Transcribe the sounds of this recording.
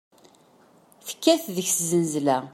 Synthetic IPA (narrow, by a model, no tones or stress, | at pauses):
θə̥kːæθðəçszənzlæ